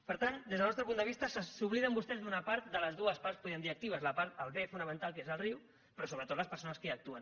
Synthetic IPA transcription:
pəɾt̪and̪ezðəlnɔst̪ɾəpund̪əβist̪əsəsuβliðəmbust̪ɛzðunɐpaɾt̪̚d̪ələzðuəspaɾspuðiənd̪iək̚t̪iβ̞əzləpaɾt̪əlˠβefunəmə̃nt̪alˠkezəlriw | pɾɔsoβɾət̪ot̪ləspəɾsonəskəək̚t̪uən

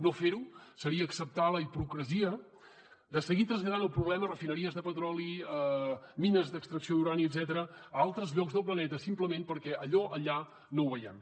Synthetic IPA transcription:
nofeɾusəɾiəːksəp̚t̪aləipɾukɾəziə | d̪əsəɣit̪ɾəzʎəðanəlˠpɾuβlɛmərəfinəɾiəzðəpət̪ɾɔliəminəzd̪əkst̪ɾəksioðuɾaniəd̪zɛt̪əɾəalˠt̪ɾəzʎɔɡzðəlˠplənɛt̪əsimpləmempəɾkɛʔəʎɔʔəʎa | nouβəjɛm

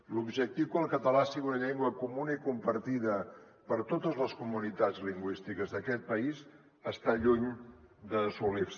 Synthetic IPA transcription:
lubʒək̚t̪iwkəlˠkət̪əlasiɣiunəʎeŋɡwəkumunəikumpəɾt̪iðə | pəɾt̪ot̪əzləskumunit̪ad͡zliŋɡwist̪ikəzðəkɛt̪̚pəiz | əst̪aʎuɲd̪əsulif

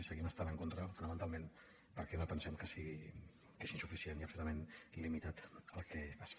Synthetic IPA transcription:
isəɣiməst̪anəŋkont̪ɾəfunəmənt̪alˠmen | pəɾkɛnopənsɛmkəsiɣi | kezinsufisieniəpsulut̪əmenlimit̪at̪əlˠkɛəs

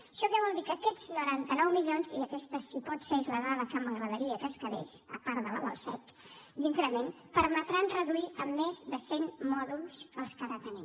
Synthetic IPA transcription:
ʃɔkɛβ̞ɔlˠd̪ikəkɛd͡znuɾant̪ənɔwmiʎonziəkɛst̪əsipɔt̪seizləɣaləkəməɣɾəðəɾiəkəskəðḛsə̰paɾðəla̰lə̰lˠsɛ̰t̪ | d̪iŋkɾəmen | pəɾmət̪ɾanrəðuiəmːezðəsenmɔðulˠz̥əlˠskəɾat̪ənim

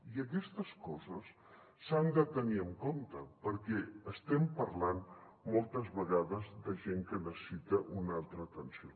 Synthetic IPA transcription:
iək̬ɛst̪əskɔzəsː | and̪ət̪əniəŋkont̪əpəɾkɛəst̪ɛmpəɾlan | mɔlˠt̪əzβəɣaðəzd̪əʒeŋkənəsə̥sit̪əʔunalˠt̪ɾəːt̪ənsio

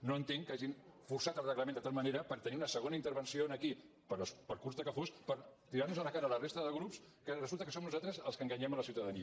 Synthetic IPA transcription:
noənt̪eŋkaʒinfursat̪əlˠrəɣləmend̪ət̪alˠməneɾəpəɾt̪əniunəsəɣonəint̪əɾβənsionəki | pəɾləspəlkuɾzðəkəfospəɾt̪iɾaɾnuzələkaɾəːlərest̪əðəɣɾups | kərəzulˠt̪əkəsomnuzat̪ɾəzəlˠskəŋɡəɲɛmələsiuwt̪əðəniə

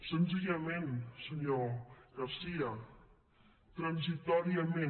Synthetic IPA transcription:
sənziʒəmensəɲoɣaɾsiə | t̪ɾənzit̪ɔɾiamẽ

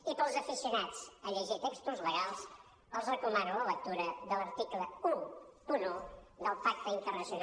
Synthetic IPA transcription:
ipəlˠzəfisiunat͡səʎəʒit̪ekst̪uzləɣalˠs | əlˠzrəkumanulələk̚t̪uɾəðələɾt̪ikləuunoðəlˠfak̚t̪əint̪ərnəsiuna

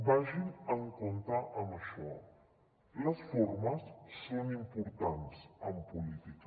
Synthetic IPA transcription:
baʒinəŋkont̪aʔəməʃɔ | ləsfoɾməsːonimpuɾt̪ansəmpulit̪ik

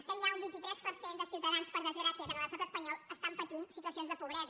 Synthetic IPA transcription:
əst̪ənʒaumbint̪it̪ɾɛspəɾsend̪əsiwt̪əðanspəɾðəzɣɾasiəkənələst̪at̪əspəɲɔlˠəst̪ampət̪insit̪uəsionzðəpuβɾɛz

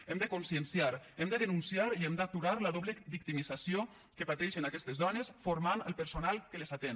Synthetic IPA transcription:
ɛmd̪əkonsiənsiaɾɛmd̪əðənunsiaɾiɛmd̪at̪uɾaɾləðoβləbik̚t̪imizasio | kəpat̪ɛʃənakɛst̪əzðɔnesfoɾmanəlˠpəɾsonalˠkəlezat̪en

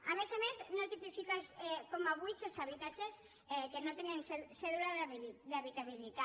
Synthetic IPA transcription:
amesamesnot̪ipifikasekomaβujt͡ʃesaβit̪at͡ʃes | ekenot̪enenseseðulad̪eaβit̪aβilit̪a

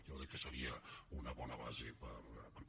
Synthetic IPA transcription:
joðikːəsəɾiəunəβɔnəβa̰zepəpə

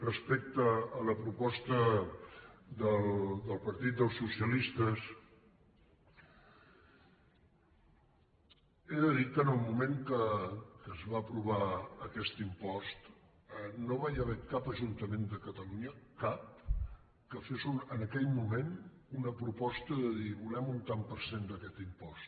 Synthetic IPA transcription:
rəspɛk̚t̪əːləpɾupɔst̪ə | d̪əld̪əlˠpəɾt̪it̪̚d̪əlˠsusiəlist̪əs | eðəðikənəlˠmumeŋkəkəzβaəpɾuβ̞aəkɛst̪impɔst̪ | ənoβajəβɛkapəʒunt̪əmend̪əkət̪əluɲəkap̚ | kəfezunənəkɛʎmumen | unəpɾupɔst̪əðəðiβulɛmunt̪ampəɾsend̪əkɛt̪impɔst̪

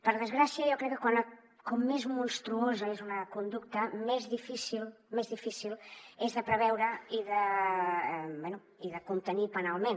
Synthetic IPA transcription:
pəɾðəzɣɾasjɐewkɾɛkːəkwanɐ | komːezmunst̪ɾuozɐezunɐkund̪uk̚t̪ɐmɛzðifisilmezðifisilezðəpɾəβɛwɾəiðə | bwɛnu | iðəkunt̪ənipənalˠmẽn

